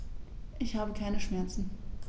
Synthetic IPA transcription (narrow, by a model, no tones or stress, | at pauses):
ʔɪçhaːbəkʰaɪnəʃmɛɐt͡sn̩